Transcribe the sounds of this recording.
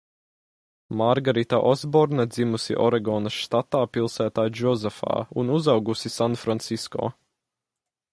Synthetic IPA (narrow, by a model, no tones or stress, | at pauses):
maɾɡaɾit̪aʔɔzbɔɾnɛd̪zimusḭʔɔɾɛɡɔːnɐst̪at̪aːpilˠsæːt̪aːjd͡ʒɔzɛfa̰ːunuzawɡusisanfɾant̪siskɔ̰ː